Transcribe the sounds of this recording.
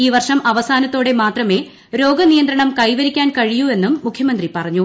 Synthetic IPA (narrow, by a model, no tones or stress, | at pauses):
iːʋɐrʂɐmɐʋɐsaːnɐt̪ːoːɽe̞maːt̪rɐme̞ | ɾo̞ːɡɐnijɐnd̪ɾɐɳɐmkɐjʋɐɾikʲːaːnkɐɻijue̞nːumːukʰjɐmɐnd̪ripɐrɐɲːu